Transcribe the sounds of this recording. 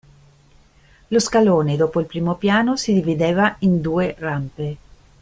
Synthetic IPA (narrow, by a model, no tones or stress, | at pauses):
loskaloːned̪oːpoilpɾiːmopjaːnosid̪ivid̪eːvaind̪uːerampe